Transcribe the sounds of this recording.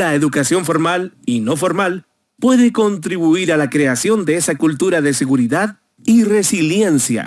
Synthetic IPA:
laeðukasjo̞ɱfo̞ɾmalino̞fo̞ɾmal | pwe̞ðe̞ko̞nt̪ɾiβuiɾalakɾe̞asjo̞nd̪eesakult̪uɾaðe̞se̞ɣuɾiðað | ire̞silje̞nsja̰

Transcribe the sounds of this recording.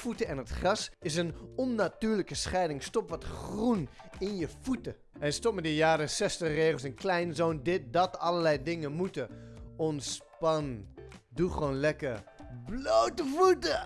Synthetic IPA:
futəɛnətχrɑsɪs̬ənɔnːatyːɹləkəsχɛjdɪŋstɔpʋɑtχrunɪnjəfutə | ʔɛnstɔp̚mɛtdəjaːdəsɛstəχreːχəlˠsənklɛjnzoːndɪt̚dɑtɑləɹlɛjdɪŋənmutəɔnspɑnnduχʋonlɛkərblowtəfutə

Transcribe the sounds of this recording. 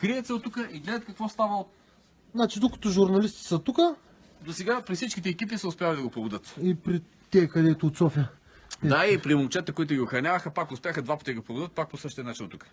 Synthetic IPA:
kɾiɛt̪sɛot̪ːukəʔiɡlɛd̪ɐət̪̚kɐkvɔst̪avəo | znat͡ʃid̪okɐ̥t̪oʒʊɾnɐlist̪i̥sət̪ukə | d̪osɛɡapɾifsit͡ʃkʲit̪ɛːkʲipisəʊspʲjavɐlid̪ɐɡopɾobʊd̪ɤt̪ipɾi | t̪ɛɛkɐd̪ɛt̪oːt̪sɔfjə | ɛaipɾimʊlˠt͡ʃɛt̪əkoit̪ʊɡʲiʊxɾɐnʲavɐxəpakʊspʲjaxəd̪vapɐt̪iɡopɾobʊd̪ət̪̚pak̚posəʃt̪iənat͡ʃinot̪ukə̥

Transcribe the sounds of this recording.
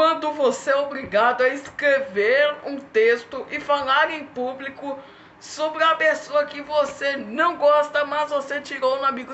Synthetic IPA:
kwɐ̃nd̪ʊvoseobɾiɡad̪ʊaiskɾeveɾũt̪est̪ʊʔɪfalaɾẽj̃publikʊ | sobɾɪɐpesoɐkɪvosenɐ̃w̃ɡɔst̪ɐmɐzvoset͡ʃiɾoũamiɡʊ

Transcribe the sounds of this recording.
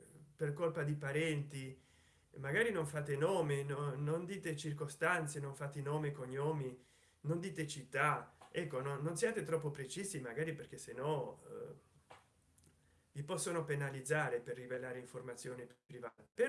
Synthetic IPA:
perkolpad̪ipaɾɛnt̪i | maɡaːɾinoɱfaːt̪enoːmenonond̪iːt̪et͡ʃirkost̪ant̪senoɱfat̪inoːmekoɲːoːmi | nond̪iːt̪et͡ʃit̪ːaɛkːononːonsjaːt̪et̪ɾɔpːopɾet͡ʃiːzimaɡaːɾiperk̟esenɔ | vipɔsːonopenalid̪zaːɾeperːivelaːɾeiɱformat̪sːjoːnepɾivaːt̪ape

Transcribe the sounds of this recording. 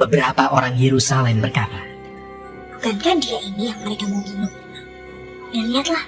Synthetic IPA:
bəbəɾapaʔoɾaŋjeɾusalɛmbərkaɾa | buɡankandiainijaŋməɾekaməŋinu | jaliat̪lah

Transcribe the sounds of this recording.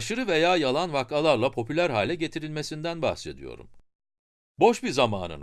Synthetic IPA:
ʃɯɾɯvejaːjalˠanvakalˠaɾlˠapʰo̞pʰylʲæɾɦaːlʲɛɟe̞t̪ʰiɾilʲme̞sind̪ænba̰xse̞d̪ḭjo̞̰ɾṵm | bo̞ʃbizama̰ːnɯ̰n

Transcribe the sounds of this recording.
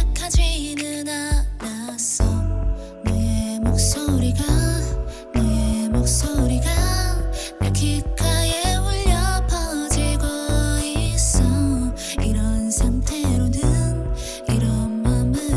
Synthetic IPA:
kʰad͡ʑiːnɯnaɾasʰʌ | neemok̚s͈oɾiɡa | nemok̚s͈oɾiɡa | kʰik͈ʰajeuʎːʌpʰad͡ʑiɡois͈ʌ | iɾʌnsʰaŋtʰeɾonɯn | iɾʌnmanmɯ

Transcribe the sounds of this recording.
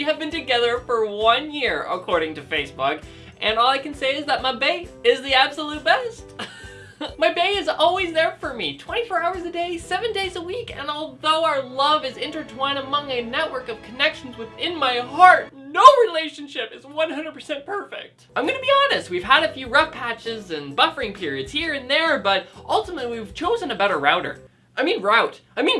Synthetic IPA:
jɨɨvbɨ̃ntɨɡɛðə˞fə˞wʌ̃njɪɹə̰kʰɔɹɾɪ̃ŋtɨfeɪsb̥ʊk | ʔɨ̃nɔlˠaɪkɨ̃n̩seɪɨzðət̚maɪbeɪɪzðiæb̥səlʉt̚b̥ɛst | maɪbeɪɨzɔlˠwizðə˞fə˞mḭtʰw̥ɛ̃ɾ̃ifɔɹaʊə˞zɨdeɪsɛvɨ̃ndeɪzəwikɨ̰̃nɔlˠðoʊaə˞lʌvɨzɪ̃ntə˞tʰwɔ̃ɪ̃ñəmʌ̃ŋɨnɛʔ̚wɜ˞kʌv̥kʰɨnɛkʃn̩zwɨðɪ̃nmaɪɦɑɹt̚noʊɹileɪʃɨ̃n̩ʃɪpɨzwʌ̃nhɦʌ̃ndɹəd̚pʰə̥˞sɛ̃npʰɜ˞fɪ̰k̚t̚ãɪ̃mɡʌnɨbiɑnɨst̚wiv̥əɾɨfjʉɹʌfpʰæt͡ʃɪzɨ̃nbʌfə˞ɪ̃ŋpʰɪɹiɨdz̥hiɹɨ̃nðə˞bʌɾʔʌlˠtəmətˡliwiv̥t͡ʃʰoʊzɨ̃nɨbɛɾə˞ɹa̰ʊɾə̰˞ | ʔaɪmĩnɹaɪtaɪmĩn

